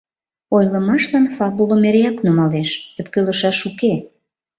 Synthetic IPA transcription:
ojlə̆mɑʃlɑnfɑbulomeɾeɑknumɑleʃøpkøləʃɑʃuke

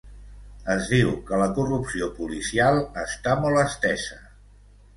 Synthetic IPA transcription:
əzðiwkələkurupsiopulisialˠəst̪amɔlˠəst̪ɛsə

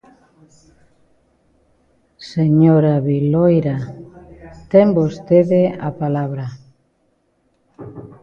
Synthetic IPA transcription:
seɲoɾaβilojɾa | t̪embost̪eðeapalaβɾa

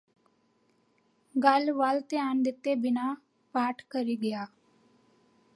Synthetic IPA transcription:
ɡəlʋalt̪eaːnd̪ɪt̪ːebɪnaː | paːʈʰkəɾiːɡəjaː

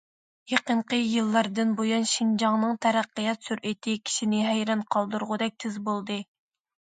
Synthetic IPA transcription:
jeqəɴqəjɨlˠːɑɾd̪ɨnbojɑnʃind͡ʒɑŋnɨŋt̪ʰɛɾæqːəjɑt̪syɾʔet̪ʰɪkʲʰi̥ʃinɪɦæjɾɑnqʰɑlˠd̪uɾʁʊd̪ɛk̚ʲt̪ʰɪzbolˠd̪ɨ

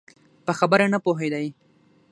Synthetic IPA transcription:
pəxabəɾanapoɦed̪aj

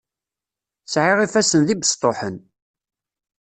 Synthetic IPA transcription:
sʕɪʁifæsənðibəst̪ˤːoħən

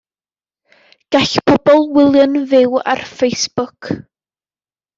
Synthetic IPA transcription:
ɡ̥aɬpʰɔbɔlˠwɪlˠjənvɪwa̰rfejsb̥ʊkʰ

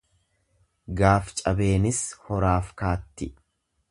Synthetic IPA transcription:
ɡaːft͡ʃʼɐbe̞ːnɪshɔɾaːfkaːt̪ːɪ

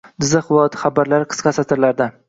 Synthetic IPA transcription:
d̪ɪzaχlˠɒt̪χabaɾlaɾqʰɨ̥sqɑsat̪ʰɪɾlaɾd̪a

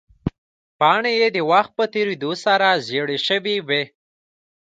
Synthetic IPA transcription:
pɑɳejed̪əwaxt̪̚pət̪eɾed̪osaɾazjeɽeʃəwiwe

